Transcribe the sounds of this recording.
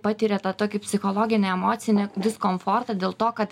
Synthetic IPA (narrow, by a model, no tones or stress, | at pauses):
pɑt̪ʲiːɾʲeːt̪ɐt̪oːkʲɪpʲsʲɪxoːlˠoːɡʲɪnʲeɛmoːt̪sʲɪnʲed̪ʲɪskoːmfoːrt̪ɐd̪ʲeːlˠt̪oːkɐt̪